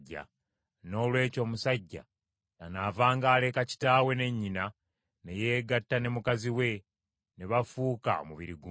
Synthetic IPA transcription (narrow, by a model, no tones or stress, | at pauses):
ɟːa̰ | no̞ːlwe̞ːco̞ːmusaɟːa̰ | tanavaːŋɡaːle̞kaci̥taːwe̞ne̞ɲːina | ne̞je̞ːɡatːane̞mukaziwe̞ | ne̞βafuːka̰o̰muβiɾiɡu